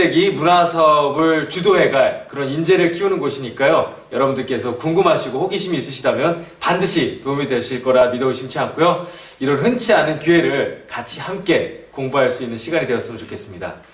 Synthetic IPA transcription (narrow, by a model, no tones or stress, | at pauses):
e̞ɡimunasʰʌbɯɭt͡ɕudoɦe̞ɡaɭkɯɾʌnind͡ʑe̞ɾɯɭk͈ʰiunɯnɡoɕʰiɲik͈ajo | jʌɾʌbundɯɭk͈e̞sʰʌkuŋɡɯmɦaɕʰiɡohoɡiɕʰimiːs͈ɯɕʰidamjʌnpandɯɕʰitoumidwe̞ɭɕʰiɭk͈ʌɾamidʌiɕʰimt͡ɕʰiɦankʰojoiɾʌnɦɯnt͡ɕʰianɯnkue̞ɾɯɭkat͡ɕʰihamk͈e̞koŋbuɦaɭs͈uinːɯnɕʰiɡaɲidwe̞ʌs͈ɯmɯnt͡ɕokʰe̞s͈ɯmɲida̰